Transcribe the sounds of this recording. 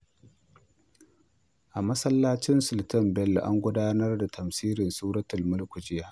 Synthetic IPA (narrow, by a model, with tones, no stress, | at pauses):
ʔa˨mɐ˦sɐ˦lːaː˦t͡ʃɪ˦nsʊ˨ltɐ˦mbɛ˦lʔa̰˦ŋɡʷʊ˦daː˦nɐ˦rda˨tʰɐ˨msiː˦ɾɪ˨nsuː˦ɾɐ˦tɐ˨lmʊ˦lkʷʊ˨d͡ʒɪ˦jaː˦ʔ